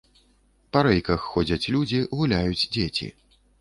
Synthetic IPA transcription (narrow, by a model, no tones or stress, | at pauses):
pɐɾɛjkɐxːɔd͡zʲɐt͡sʲlʲud͡zʲiɣulʲajud͡zʲd͡zʲet͡sʲḭ